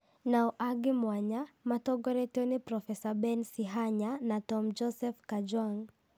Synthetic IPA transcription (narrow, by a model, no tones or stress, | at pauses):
naɔʔaɡimwaɲamatɔɡɔɾɛtɔnipɾɔfɛsabɛnsiɦaɲanatɔmd͡ʒɔsɛfkad͡ʒwaŋ